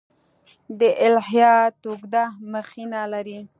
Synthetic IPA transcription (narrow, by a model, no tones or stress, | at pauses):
d̪əʔɪlhjɑt̪oɡd̪aməxinalaɾi